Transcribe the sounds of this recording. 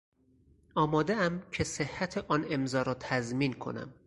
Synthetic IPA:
ɒːmɒːd̪eæmcʰesehːæt̪ʰeʔɒːne̞mzɒːɾɒːt̪ʰæzmiːnkʰo̞̰næ̰m

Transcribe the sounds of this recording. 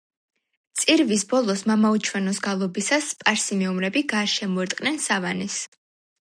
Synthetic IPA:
t̪sʼiɾvisbɔlˠɔsmamaut͡ʃʰwɛnɔsɡalˠɔbisaspʼaɾsimɛumɾɛbiɡaʃɛmɔɛɾt̪ʼqʼnɛnsavanɛs

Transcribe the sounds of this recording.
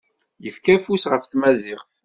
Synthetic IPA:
jəfkæfusʁəfθmæzɪχθ

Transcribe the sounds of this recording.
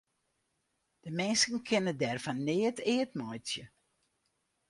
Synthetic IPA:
d̥əmɛnsənkʰɪnədɛrfanːɪətʰɪətmɔjtjə

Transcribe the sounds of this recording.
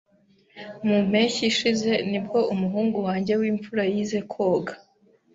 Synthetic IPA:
mum̥e̞çiʃize̞nibɡo̞ʔumuɦuːŋɡuwaːɲɟe̞wiːɱfuɾajize̞kʰo̞ːɡḁ

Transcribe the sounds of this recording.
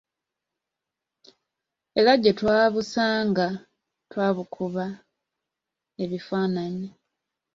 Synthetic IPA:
e̞laɟːetwaːβusaːŋɡa | twaːβukʰuβa | e̞βifaːnaɲa

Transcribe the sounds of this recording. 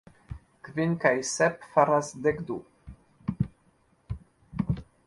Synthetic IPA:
kvinkajsɛpfaɾasd̪ɛkd̪u

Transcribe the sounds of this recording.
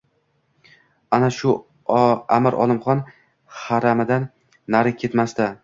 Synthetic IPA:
anaʃʊ | amɪɾʔɒ̰lˠɪmχɒn | haɾamɪd̪anː | aɾɪkʲʰe̞t̪mast̪a

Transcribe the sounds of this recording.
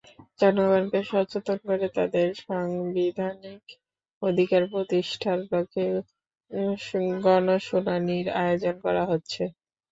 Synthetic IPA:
d͡ʑɔnoɡankeʃɔɾt͡ɕot̪onkoɾet̪ad̪eɾʃaŋbid̪ʱanik | od̪ʱikaɾpɾot̪iʃʈʰaɾloke | ɡɔnoʃunaniɾa̰eod͡ʑonkɔɾaɦotːɕʰe

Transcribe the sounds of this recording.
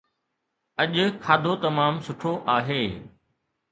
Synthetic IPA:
ɐʄʊkʰaːd̪ʱot̪ɐmaːmsʊʈʰoʔaːɦeː

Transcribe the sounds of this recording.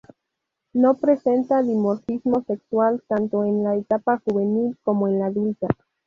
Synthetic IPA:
no̞pɾe̞se̞nt̪aðimo̞ɾfizmo̞se̞kswalt̪ant̪o̞enlaet̪apaxuβe̞nilko̞moenlaðult̪a

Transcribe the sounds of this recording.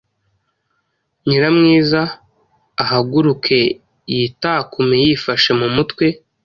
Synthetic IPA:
ɲiɾamŋiːzaː | ɦaɡuɾukʰe̞ | jitakumejifaʃe̞mumutwe̞

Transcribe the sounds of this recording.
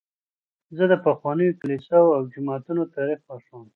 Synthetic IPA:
zəd̪əpaxwɑnəjoklisawawd͡ʒɪmɑt̪unot̪ɑɾixwaʂom

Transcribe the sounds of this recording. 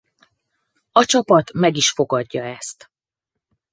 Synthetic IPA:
ɒt͡ʃɒpɒt̪mɛɡiʃfo̞ɡɒɟːɒɛst̪

